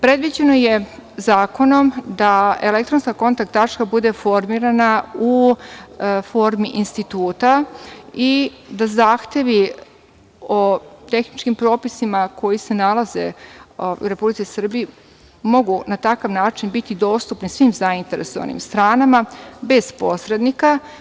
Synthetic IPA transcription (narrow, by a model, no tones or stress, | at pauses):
pɾe̞d̪ʋid͡ʑe̞no̞je̞zaːko̞no̞md̪aele̞kt̪ɾonskako̞nt̪ak̚t̪ːat͡ʃkabud̪e̞fo̞ɾmiɾanau | fo̞ɾmiʔinst̪it̪uːt̪a | id̪azaːxt̪e̞ʋi | o̞t̪e̞xnit͡ʃkimpɾo̞ːpisimakʰo̞jise̞nalˠaze̞̰o̰uɾe̞publit̪sisr̩bii | mo̞ɡunat̪akaʋnaːt͡ʃinbit̪id̪o̞ːst̪upnisʋimzaint̪e̞ɾe̞̰so̞ʋa̰nḭmst̪ɾaːnamabe̞zposɾe̞d̪nika